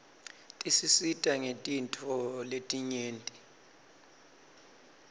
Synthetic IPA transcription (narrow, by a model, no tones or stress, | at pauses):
tʼisisitʼaŋetʼintʰʼɔletʼiɲeːntʼi